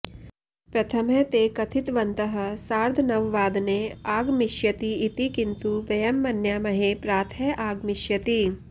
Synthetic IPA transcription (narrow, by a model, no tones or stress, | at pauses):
pɾɐt̪ʰɐmɦɛːt̪eːkɐt̪ʰɪt̪ʋɐ̃nt̪əɦə̆saːɾd̪ʱnɐʋːaːd̪neaːɡmɪʃjɐt̪iːt̪ikɪnt̪uʋɐjɐmːɐnjaːmɐɦepɾaːt̪ʰɦɛʔaːɡmɪʃjɐt̪i